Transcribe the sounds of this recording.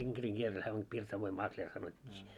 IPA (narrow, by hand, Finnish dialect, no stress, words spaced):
iŋkeriŋ kieltæ hæː om pirsɑʋoim mɑklʲer sɑnotʲːiː